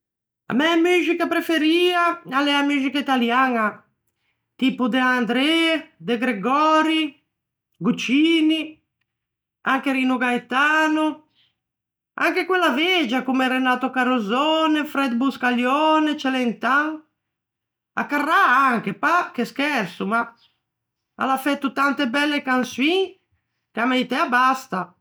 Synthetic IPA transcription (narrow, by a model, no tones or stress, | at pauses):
a̰mɛamyzikapɾefeɾiːaalɛamyzikait̪aljaŋa | t̪ipud̪eand̪ɾɛd̪eɡɾeɡɔɾi | ɡut͡ʃiːni | aŋkeɾinuɡaet̪aːno | a̰ŋkekwɛlːaved͡ʒakumɛrenaːt̪ɔkaɾuzɔnɛfɾɛd̪̚buskaljɔːnɛt͡ʃɛlɛnt̪aŋ | a̰kːarːaaŋkepakeskɛɾsuma | a̰lafɛt̪ːut̪ant̪ebɛlːekanswiŋ | kamajt̪ɛabast̪a